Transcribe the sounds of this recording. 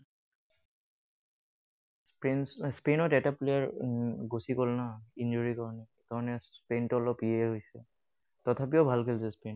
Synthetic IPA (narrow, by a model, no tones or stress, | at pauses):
spenɔtɛtaplejaɹɡosikɔlnaind͡ʒuɹikaɹɔnɛ | kaɹɔnɛspentɔlɔpieɦojsɛ̰ | tɔtʰap̬iɔbʱalkʰelsɛspen